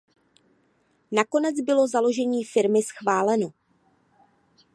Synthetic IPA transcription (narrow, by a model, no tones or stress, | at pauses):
nako̞nɛd͡zbɪlo̞zalo̞ʒɛɲiːfɪɾmɪsxvaːlɛno